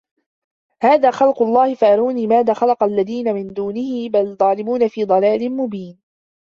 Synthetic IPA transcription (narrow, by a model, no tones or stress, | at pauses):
haːðaːxɑlqʊlˤːɑːhɪfaʔɑɾuːniːmaːðaːxalɑqalːaðiːnamɪnd̪uːnɪhɪbald̪ˤɑːlɪmuːnafiːd̪ˤɑlaːlɪnmʊbiːn